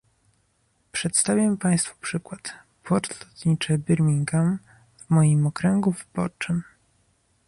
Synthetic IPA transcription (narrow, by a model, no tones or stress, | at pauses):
pʂɛt̪st̪avʲjampaj̃st̪fu̥pʂɘkwat̪ | pwɔɾt̪lɔt̪ɲit͡ʂɘbɘɾmʲiŋɡa | vmɔjimɔkɾɛŋɡuvɘbɔ̰ɾt͡ʂɘm